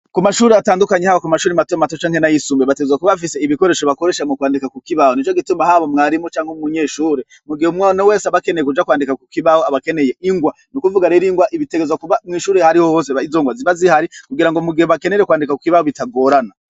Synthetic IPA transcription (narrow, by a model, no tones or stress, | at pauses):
kumaʃuːɾeataːndukaɲehaβakumaʃuːɾimatomatot͡ʃaːŋhe̞najisumbeβate̞ɡezwakuβaβafiseiβiko̞ɾe̞ːʃoβako̞ɾe̞ʃamŋokwaːndikakukiβahonit͡ʃoɡitumbahaβomŋaɾimot͡ʃaːŋhemuɲe̞ːʃuːɾe | muɡihumwanawe̞ːseaβakenejekud͡ʒakwaːndikakukiβahoaβake̞ne̞jeʔiŋɡwa | nukuvuɡaɾeɾiŋɡwaʔiβite̞ɡezwakuβamŋiːʃuːɾehaɾihohoːs̬eizoːŋɡwaziβazihaɾikuɡiɾaŋɡomuɡihoβake̞ne̞ɾekwaːndikaku̥kiβahoβitaɡo̞ːɾana